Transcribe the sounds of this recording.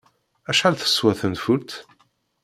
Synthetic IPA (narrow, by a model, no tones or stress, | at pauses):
æʃħalθə̥sːwæθənfuɾt̪